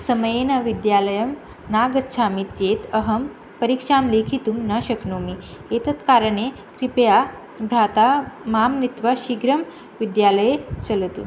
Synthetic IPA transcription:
səməjenəʋid̪jaləjəm | naɡət̪ːʃʰamit̪jet̪əɦəm | pəɾikʂamlekʰit̪uːmnəɕəknomi | et̪ət̪kaɾəɳe | kɾipja | bʱɾat̪amamnit̪ʋaɕiɡɾəm | ʋid̪jaləjet͡səlt̪ṵ

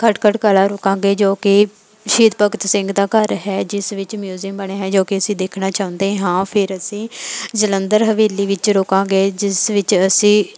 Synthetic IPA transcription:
kʰəʈkʰəʈkaːlaːɾoːkãːɡeːd͡ʒoːkɪ | ʃiːt̪pəkt̪sɪ̃ŋɡd̪aːkəɾɦɛːd͡ʒɪsʋɪt͡ʃmjuːziəmbəɳeːɦɛ̃ːd͡ʒoːkɪəsĩːd̪eːkʰnaːt͡ʃaːʊ̃nd̪eːɦɛ̃ɦãːpʰɪɾəsĩːd͡ʒələnd̪əɾɦəʋeːliːʋɪt͡ʃɾoːkãːɡeːd͡ʒɪsʋɪt͡ʃəsĩː

